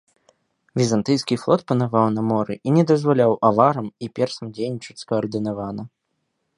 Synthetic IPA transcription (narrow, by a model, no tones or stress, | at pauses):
vʲizant̪ɨjskʲiflˠɔt̪̚pɐnavawnɐmɔɾɨʔinʲɛd̪ɐzvalʲawʔavaɾɐmipʲɛrsɐmd͡zʲejnʲit͡ʂɐt͡sʲskɐːrd̪ɨnavanɐ